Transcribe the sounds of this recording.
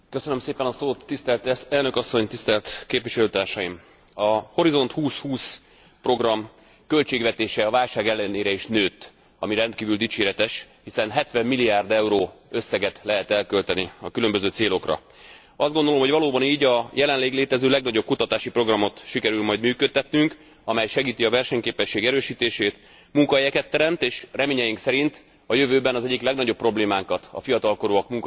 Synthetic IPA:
køsønømseːpɛnɒsoːt̪ːist̪ɛlt̪ɛlnø̞kɒsːo̞ɲt̪ist̪ɛlt̪keːpʋiʃɛløːt̪aːrʃɒjim | ɒho̞ɾizo̞nt̪huːshuːs | pro̞ɡrɒm | kø̞lt͡ʃeːɡvɛt̪eːʃɛɒvaːlʃaːɡɛlːɛneːɾɛiʃnøːt̪ː | ɒmiɾɛnt̪kiːvyld̪it͡ʃeːɾɛt̪ɛʃhisɛnɦɛt̪ʋɛmːiliaːrd̪ɛuɾoːø̞sːɛɡɛt̪lɛɦɛt̪ɛlkølt̪ɛniɒkylø̞mbøzøːt̪seːlo̞krɒ̰ | ɒzd̪ɡo̞nd̪o̞lo̞mɦo̞ɟvɒloːbɒniːɟɒjɛlɛnleːɡleːt̪ɛzøːlɛɡnɒɟo̞p̚kut̪ɒt̪aːʃipro̞ɡrɒmo̞t̪ʃikɛɾylmɒjd̪myːkøt̪ːɛt̪nyŋk | ɒmɛjʃɛɡiːt̪iɒvɛrʃɛɲkeːpɛʃːeːɡɛɾøːʃiːt̪eːʃeːt̪ | muŋkɒɦɛjɛkɛt̪ːɛɾɛmt̪eːʃrɛmeːɲɛjiŋksɛɾint̪ | ɒjø̞vøːbɛnɒzɛɟːiklɛɡnɒɟo̞pːro̞bleːmaːŋkɒt̪ɒ̰fijɒt̪ɒlko̞ɾoːɒkmuŋk

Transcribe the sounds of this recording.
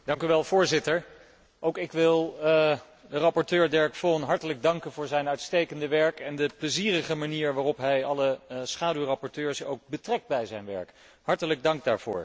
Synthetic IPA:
dɑŋkyʋɛlˠv̥ʊːɹzɪtəɹ | ʔowkɪkʋɪlˠ | dərɑpɔɹtøːɹdɛɹkfɔnɦɑɹtələɡ̚dɑŋkənvʊːɹzɛjnœɥtstejkəndəʋɛɹkɛndəpləziːrəχəmaniːɹʋaːrɔpɦɛjɑləsχaːdywrɑpɔɹtøːɹsowk̚bətrɛk̚d̚bɛjzɛjnʋɛ̰ɹk | ɦɑɹtələɡ̚dɑŋɡ̚daːɹv̥ʊ̰ːɹ

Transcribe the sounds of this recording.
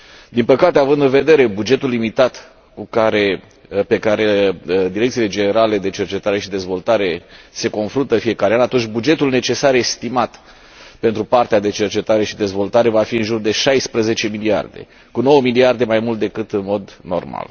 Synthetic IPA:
d̪inpəkat̪eavɨnd̪ɨnve̞d̪e̞ɾe̞bud͡ʒe̞t̪ulːimit̪at̪ | kukaɾe̞ | pe̞kaɾe̞d̪iɾekt̪sile̞d͡ʒe̞ne̞ɾale̞d̪e̞t͡ʃe̞rt͡ʃe̞t̪aɾe̞ʃid̪e̞zvo̞lt̪aɾe̞se̞ko̞nfɾunt̪əfije̞kaɾeanat̪unt͡ʃʲbud͡ʒe̞t̪ulne̞t͡ʃe̞saɾest̪imat̪ | pe̞nt̪ɾupart̪ead̪e̞t͡ʃe̞rt͡ʃe̞t̪aɾe̞ʃid̪e̞zvo̞lt̪aɾe̞vafiɨnʒurd̪e̞ʃajspɾəze̞t͡ʃe̞milia̰rd̪e̞̰ | kuno̞wəmiliard̪e̞majmult̪̚d̪e̞kɨt̪ɨnmo̞d̪no̞̰rma̰l

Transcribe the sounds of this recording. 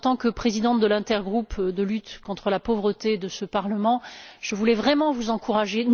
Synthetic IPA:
t̪ɑ̃kəpχezid̪ɑ̃t̪̚d̪əlɛ̃t̪ɛʁɡʁupd̪əlyt̪kɔ̃t̪χəlapovʁət̪ed̪əsəpaʁləmɑ̃ʒ̥əvulɛvʁɛmɑ̃vuzɑ̃kuʁaʒe

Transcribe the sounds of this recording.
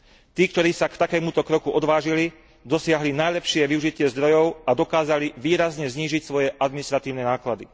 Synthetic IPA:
t̪iːkt̪ɔɾiːsakt̪akɛːmut̪ɔkɾɔkuʔɔd̪ʋaːʒili | d̪ɔsɪaɦlinajlɛpʃɪɛʋiuʒicɪɛzd̪ɾɔjɔʊad̪ɔkaːzaliʋiːɾazɲɛzɲiːʒicsʋɔjɛʔad̪minist̪ɾat̪iːʊnɛnaːklad̪i

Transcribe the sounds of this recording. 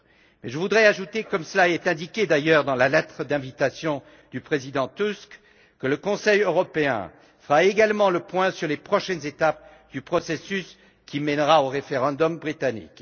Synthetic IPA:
mɛʒəvud̪ʁɛaʒut̪ekɔmsəlaɛt̪ɛ̃d̪ikʲed̪ajœʁd̪ɑ̃lalɛt̪χəd̪ɛ̃vit̪asjɔ̃ | d̪ypχezid̪ɑ̃t̪usk | kələkɔ̃sɛjøʁɔpeɛ̰̃ | fəʁaeɡalmɑ̃ləpwɛ̃syʁlepχɔʃɛnzet̪ap̚ | d̪̥ypχɔsesys | kʲʰimɛnʁaoʁefeʁɑ̃d̪ɔmbʁit̪anḭk

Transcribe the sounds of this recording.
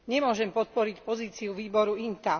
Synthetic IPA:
ɲɛmʊɔʒɛmpɔt̪̚pɔɾicpɔziːt͡siuʋiːbɔɾuint̪a

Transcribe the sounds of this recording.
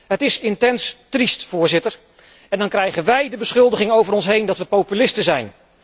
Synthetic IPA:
ɦətɪsɪntɛnstristfʊːɹzɪtəɹ | ɛndɑnkrɛjχənʋɛjdəbəsχɵlˠdəχɪŋowvəɾɔnsɦejndɑtʋəpowpylɪstəzɛjn

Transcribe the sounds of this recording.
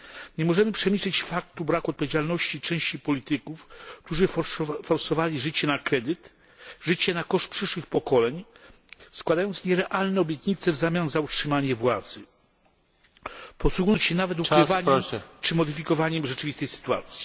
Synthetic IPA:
ɲɛmɔʐɛmɘpʂɛmʲiɕlɘt͡ɕfak̚t̪ubɾakɔt̪̚pɔvʲjed͡ʑalnɔɕt͡ɕit͡ʂɛ̃w̃ɕt͡ɕipɔlʲit̪ɘkufk̚t̪uʐɘfɔɾsɔvalʲiʐɘt͡ɕɛnakɾɛd̪ɘt̪ | ʐɘt͡ɕɛnakɔʂt̪̚pʂɘʂwɘxpɔkɔlɛɲ | skwad̪ajɔnt̪sɲɛɾɛʔalnɛɔbʲjɛt̪ɲit̪sɛvzamʲjanzautʂɘmaɲɛvwad̪z̥ɘ | pɔswuɡnɔɲt͡ɕɕɛnavɛt̪̬ukɾɪvaɲɛt͡ʂɘmɔd̪ɘfʲikɔvaɲɛmʐɛt͡ʂɘvʲist̪ɛjsɘ̥t̪ua̰t̪sʲji̥

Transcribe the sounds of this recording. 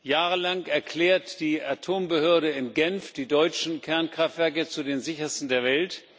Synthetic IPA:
jaːʁəlaŋɛɐkʰl̥ɛːɐtd̥iːʔatʰoːmbəhøːɐɾəɪmɡɛnfd̥iːdɔʏt͡ʃn̩kʰɛɐnkʁ̥aftv̥ɛɐkət͡sudeːnzɪçɐstn̩deːɐvɛlt

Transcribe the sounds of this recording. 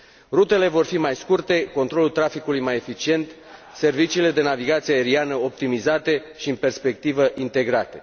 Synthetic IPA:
rut̪e̞le̞vo̞rfimajskurt̪e̞ko̞nt̪ɾo̞lult̪ɾafikulujmaje̞fit͡ʃie̞nt̪ | se̞rvit͡ʃiːle̞d̪e̞naviɡat̪sieaeɾianəo̞p̚t̪imizat̪e̞ʃiɨnpe̞rspe̞k̚t̪ivəʔint̪e̞ɡɾat̪e̞

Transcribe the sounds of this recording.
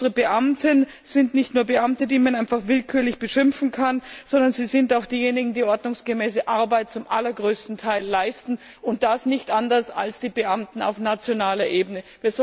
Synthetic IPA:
əʁəbəʔamtən | z̥ɪntnɪçtnuːɐbəʔamtədiːmanʔaɪnfaχv̥ɪlkʰyːɐlɪçb̥əʃɪmfn̩kʰanz̥ɔndɐnziːzɪntaʊxd̥iːjeːnɪɡŋ̩diːʔɔɐdnʊŋsɡ̥əmɛːsəʔaɐbaɪt̚t͡sʊmʔa̰lɐɡʁøːstn̩tʰaɪlːaɪstn̩ | ʊnt̚d̥asnɪçtʔandɐsa̰lsd̥iːbəʔamtn̩a̰ʊfnat͡sjonaːlɐʔeːbənəviːɐzɔ

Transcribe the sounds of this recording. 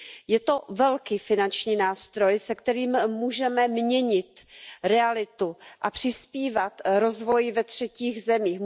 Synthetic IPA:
jɛt̪o̞vɛlkiːfɪnant͡ʃɲiːnaːst̪ɾo̞jsɛkt̪ɛɾiːmmuːʒɛmɛmɲɛɲɪt̪ɾɛalɪt̪uʔapr̝̥ɪspiːvat̪ɾo̞zvo̞jvɛt̪r̝̥ɛciːɣzɛmiːx

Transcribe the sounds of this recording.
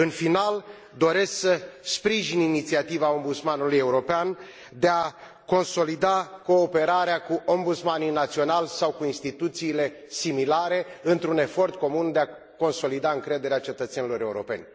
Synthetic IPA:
ɨnfinal | d̪o̞ɾe̞sksəspɾiʒininit̪siat̪ivao̞mbut̪smanuluje̞uɾo̞pean | d̪ea | ko̞nso̞lid̪ako̞ːpe̞ɾaɾeakuʔombut̪smaninat̪sio̞nalsawkuinst̪it̪ut̪siːle̞ | similaɾe̞ɨnt̪ɾune̞fo̞rt̪ko̞mund̪e̞a | ko̞nso̞lid̪aɨŋkɾe̞d̪e̞ɾeat͡ʃe̞t̪ət̪se̞nilo̞ɾe̞uɾo̞̰pe̞̰nʲ

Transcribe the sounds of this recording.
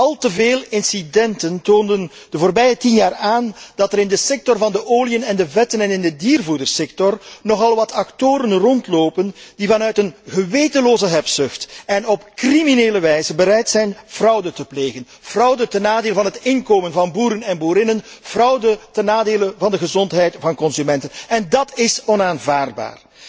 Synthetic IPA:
ɑlˠtəveːlɪnsidɛntəntoːndən | d̥əvoːrbɛjətinjaːraːnd̥ɑtəɾɪndəsɛk̚tɔrvɑndəʔoːliənɛndəvɛtənɛnɪndədiːrvudərsɛk̚tɔrnɔχɑlˠʋɑtɑktoːɾənrɔntloːpənd̥ivɑnœɥtənɣəʋeːtəloːzəɦɛpsʏxtɛnɔpkrimineːləʋɛjzəbəɾɛjtsɛjnv̥rʌwdətəpleːɣən | v̥rʌwdətənaːdeːləvɑnɦətɪnkoːmənvɑnbuːɾənɛnbuːɾɪnən | v̥rʌwdətənaːdeːlənvɑndəɣəzɔntɦɛjtvɑnkɔnsymɛntənɛndɑtɪsɔnaːnvaːrd̚ba̰ːr

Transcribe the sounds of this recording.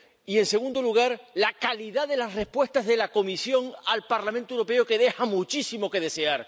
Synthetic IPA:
ie̞nse̞ɣ̞ũnd̪oluɣ̞aɾlakaliðaðe̞lasre̞spwe̞st̪azðe̞lako̞misjo̞ŋalpaɾlamẽnt̪owɾo̞pe̞oke̞ðe̞xamũt͡ʃisimo̞ke̞ð̞e̞se̞aɾ

